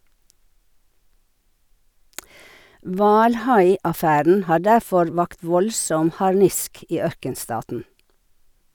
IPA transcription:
ˈʋɑːlˌhɑɪɑˌfæɾn̩ ˈhɑː ˈɖæfɔɾ ˈʋɑkt ˈʋɔlsɔm hɑɾˈnɪsk ˈiː ˈœɾkənˌstɑːtn̩

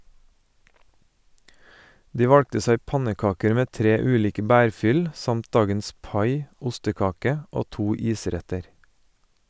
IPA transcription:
ˈdiː ˈʋɑɽktə ˈsæɪ ˈpɑnəˌkɑːkəɾ ˈmeː ˈtɾeː ˈʉːˌliːkə ˈbæːɾˌfʏl ə ˈsɑmt ˈdɑːɡəns ˈpɑɪ ˈʊstəˌkɑːkə ˈoː ˈtuː ˈiːˌsɾɛtəɾ

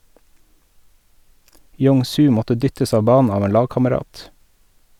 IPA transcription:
ˈjoːŋ ˈsʉː ˈmɔtə ˈdʏtəs ˈɑːʋ ˈbɑːnn̩ ˈɑːʋ ˈeːn ˈlɑːɡkɑməˌɾɑːt

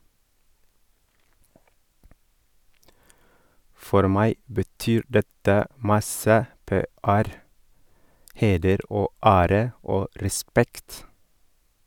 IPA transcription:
ˈfɔɾ ˈmæɪ bəˈtyːɾ ˈdɛtə ˈmɑsə ˈpeːæɾ ˈheːdəɾ ˈʔoː ˈæːɾə ˈoː ɾɛˈspɛkt

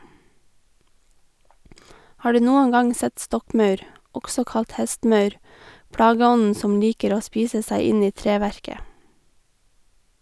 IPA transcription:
ˈhɑː ˈɖʉː ˈnuːəŋ ˈɡɑŋ ˈsɛt ˈstɔkˌmɑʉɾ ˈɔksɔ ˈkɑlt ˈhɛstˌmɑʉɾ ˈpɽɑːɡəˌɔnn̩ ˈsɔm ˈliːkəɾ ˈoː ˈspiːsə ˈsæɪ ˈɪn ˈiː ˈtɾeːʋæɹkə

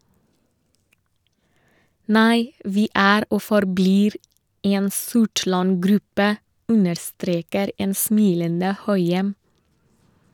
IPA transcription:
ˈnæɪ ˈʋiː ˈæːɾ ˈoː fɔɾˈbliːɾ ˈeːn ˈsʊʈɭɑn ˈɡɾʉpə ˈʉnəɾˌstɾeːkəɾ ˈeːn ˈsmiːlənə ˈhœʏɛm

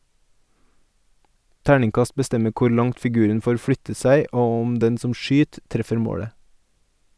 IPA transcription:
ˈtæːɳɪŋˌkɑst bəˈstɛmə ˈkuːɾ ˈlɑŋt fɪˈɡʉːɾən ˈfoːɾ ˈfɽʏtə ˈsæɪ ˈoː ˈʊm ˈdɛn ˈsɔm ˈʃyːt ˈtɾɛfəɾ ˈmoːɽə

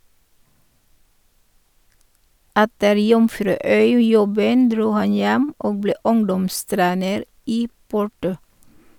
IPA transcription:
ˈɛtəɾ ˈjʊmfɾʉːˌœʏˌjɔbən ˈdɾuː ˈhɑn ˈjɛm ˈoːɡ ˈbleː ˈʊŋdɔmˌstɾeːnəɾ ˈiː ˈpʊʈʊ

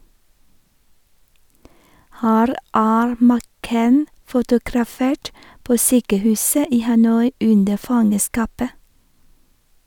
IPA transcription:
ˈhæːɾ ˈæːɾ mæˈkeɪn fʊtʊɡɾɑˈfeːʈ ˈpoː ˈsyːkəˌhʉːsə ˈiː hɑˈnɔʏ ˈʉndə ˈfɑŋəˌskɑːpə

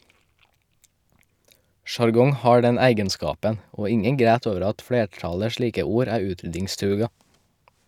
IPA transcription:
ʃɑɾˈɡɔŋ ˈhɑː ˈɖɛn ˈæɪɡənˌskɑːpən ˈoː ˈɪŋəŋ ˈɡɾæːt ˈoːʋəɾ ˈɑt ˈfleːˌʈɑlə ˈʃliːkə ˈuːɾ ˈæː ˈʉːtɾʏdɪŋˌstɾʉːɡɑ

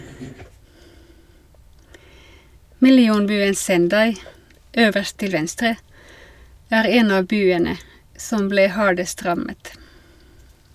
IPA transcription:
mɪlɪˈuːnˌbyːən sɛnˈdɑɪ ˈøːʋəʁst ˈtɪl ˈʋɛnstɾə ˈæːʁ ˈeːn ˈɑː ˈbyːənə ˈsɔm ˈbleː ˈhɑːɖəst ˈʁɑmət

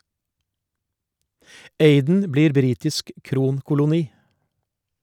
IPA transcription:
ˈeɪdn̩ ˈbliːɾ ˈbɾiːtɪsk ˈkɾuːnkʊlʊˌniː

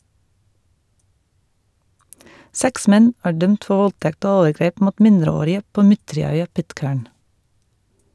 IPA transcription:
ˈsɛks ˈmɛn ˈæː ˈɖœmt ˈfɔ ˈʋɔlˌtɛkt ˈoː ˈoːʋəˌɡɾeːp ˈmuːt ˈmɪndɾəˌoːɾɪə ˈpoː ˈmʏtɹɪˌœʏɑ ˈpɪtˌkæːɳ

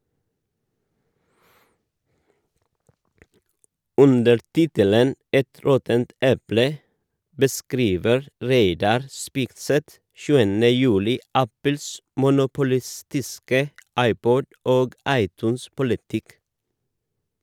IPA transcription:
ˈʉndəɾ ˈtɪtələn ˈɛt ˈɾɔtənt ˈɛplə bəˈskɾiːʋəɾ ˈɾeɪdɑɾ ˈspɪkˌsɛt ˈʃʉːənə ˈjʉːlɪ ˈæpəls mʊnʊpʊˈlɪˌstɪskə ˈɑɪˌpɔd ˈoːɡ ˈɑɪˌtʉːnˌspʊlɪtɪk

